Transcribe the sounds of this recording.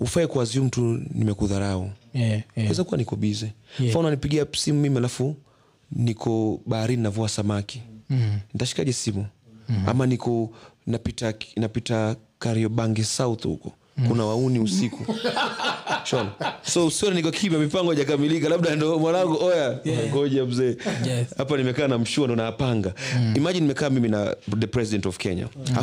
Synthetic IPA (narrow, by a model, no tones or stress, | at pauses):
hufaɛkwazium̩tunimɛkuðaɾaukwaɛzakuwanikɔɓizɛfaunanipiɡiasimumimialafu | nikʰɔɓaaɾininavuasamaki̥nitaʃi̥kaʄɛsimua̰manikɔnapitanapitakaɾiɔɓaŋɡisauθhṵkɔ | kunawauniusiku | ʃɔnsɔusiɔnanikɔkʰimamipaŋɡɔiʄak̬amilikalaɓ̚ɗandɔmwaɾaŋɡɔʔɔjaaɡɔʄam̩zɛːhapanimɛkaːnam̩ʃuandɔnaːpaŋɡaimaʄinimɛkaːmimina̰ðɛpɾɛsiɗɛntɔvkɛɲa̰ha